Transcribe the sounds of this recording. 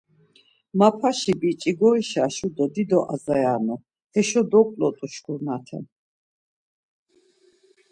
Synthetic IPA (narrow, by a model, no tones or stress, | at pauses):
mapʰaʃibit͡ʃʼiɡɔiʃaʃud̪ɔd̪id̪ɔʔazajanɔ | ɛʃɔd̪ɔkʼlɔt̪ʼuʃɡuɾnat̪ʰɛ̰n